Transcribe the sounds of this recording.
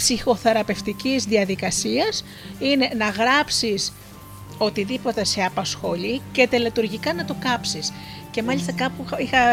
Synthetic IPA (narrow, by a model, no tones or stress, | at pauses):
sixo̞θe̞ɾɐpe̞ft̪icizðiɐðikɐsiɐs | ine̞nɐɣɾɐpsis | o̞t̪iðipo̞t̪e̞se̞ɐpɐsxo̞lice̞t̪e̞let̪uɾʝikɐnɐt̪o̞kɐpsis | ce̞mɐʎist̪ɐkɐpuixɐ